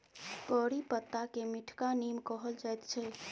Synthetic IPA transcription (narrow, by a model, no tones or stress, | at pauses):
pɔːɾipət̪ːakemiʈʰkanimkɔɦəld͡ʒajt̪t͡ʃʰɛ